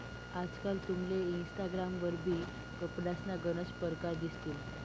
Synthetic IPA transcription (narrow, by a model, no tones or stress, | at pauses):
ad͡zkalt̪umleinsʈ̪aɡɾamʋəɾbʱiː | kəpɽasnaɡənəspəɾkaɾd̪ist̪il